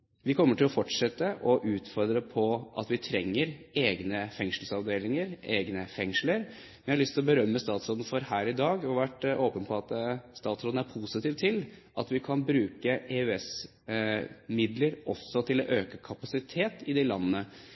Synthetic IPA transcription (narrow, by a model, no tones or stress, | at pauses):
ʋɪkʰɔmːəʈɪlɔfɔʈʂɛt̪ːəʔɔʔʉːt̪fɔɾd̪ɾəpʰɔʔɑ̰t̪ʋɪt̪ʰɾɛŋːəɾeːɡnəfɛŋʂəl̩sɑʋd̪eːlɪŋəɾeːɡnəfɛŋʂləɾ | mɛnjɑɾɑɭʏst̪ɪlɔbəɾœmːəst̪ɑːt̪sɾoːd̪n̩fɔɾhæːɾɪd̪ɑːɡɔʋæʈːoːpənpʰɔɑt̪st̪ɑːt̪sɾoːd̪n̩æɾpʰusɪt̪ʰiːʋt̪ʰɪlʔɑt̪ʋɪkʰɑnbɾʉːkəeʉɛs | mɪd̪ləɾɔ̰sːɔt̪ʰɪlɔʔøːkəkʰɑpɑsɪt̪ʰeːt̪ɪd̪ɪlɑnːnə